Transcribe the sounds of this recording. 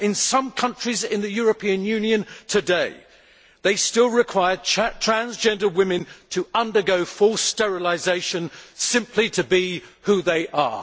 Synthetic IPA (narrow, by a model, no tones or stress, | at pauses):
ɨ̃nsʌ̃mkʰʌ̃nt͡ʃɹ̥izɪ̃nðɨjɔɹɨpʰĩɨ̃njʉ̃njɨ̃ntʰɨdeɪ | ðeɪstɪlˠɹɨkʰw̥aɪə˞dtʰɹ̥æ̃nzd͡ʒɛ̃ndə˞wɪ̃mɨ̃ntʰəʌ̃ndə˞ɡoʊfɔlˠstɛɹɨlˠɪzeɪʃɨ̃nsɪ̃mpʰliɾɨbihuðeɪʔə̰